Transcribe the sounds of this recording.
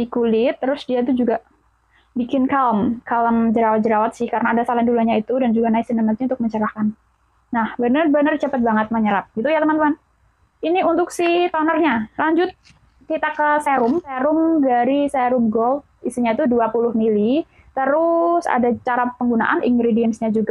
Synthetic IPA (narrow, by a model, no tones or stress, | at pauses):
dikulɪt̪ːəɾʊsdiat̪̬ud͡ʒuɡa | bikɪnkaləmkaləmd͡ʒəɾawat̪̚d͡ʒəɾawat̪̚sɪhkaɾənaːdasalanduluaɲait̪udand͡ʒuɡanaɪsinənat̪̚ɲaʊnt̪ʊk̚məɲt͡ʃəɾahkanː | ahbənərbənərt͡ʃəpət̪̚baŋət̪̚məɲəɾap̚ɡ̥it̪ujat̪əmant̪əman | iniunt̪ʊksɪht̪anərɲalaɲd͡ʒʊt̪̚ | kit̪akːəseɾʊmfeɾʊmdaɾiseɾʊmɡɔl | isiɲait̪uduapulʊhmili | t̪əɾʊsa̰dat͡ʃaɾapəŋɡunaʔanḭŋɡɾediɛnsɲad͡ʒuɡa